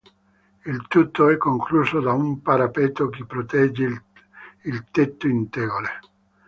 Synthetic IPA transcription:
ilt̪ut̪ːoɛkːoŋkluːsod̪aumpaɾapeːt̪okipːɾot̪ɛd͡ʒːe | ilt̪et̪ːoint̪ɛːɡole

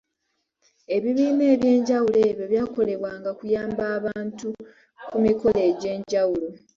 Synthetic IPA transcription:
e̞βiβiːne̞ːβje̞ːɲɟawule̞ːβjo̞βjaːko̞le̞βwaːŋɡakujaːmbaːβaːntu | kumiko̞le̞ːɟe̞ːɲɟawulo̞

